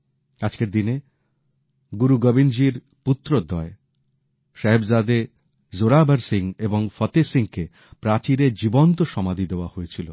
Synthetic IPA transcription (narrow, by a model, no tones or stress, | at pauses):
ad͡ʑkeɾd̪ine | ɡuɾuɡɔbind͡ʑiɾ | put̪ːɾod̪ɔe | ʃeɦebzad̪e | zoɾabaɾsiŋeboŋfɔt̪esiŋke | pɾat͡ɕiɾed͡ʑibont̪oʃɔmad̪ʱid̪eoahoet͡ɕʰilo